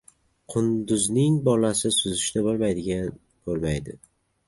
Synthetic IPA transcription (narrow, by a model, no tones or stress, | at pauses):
qʰʊnd̪ʊznɪŋbɒlasɪsʊzɪʃt̪abolˠmajd̪ɪɡʲan | b̥olˠmajd̪ɪ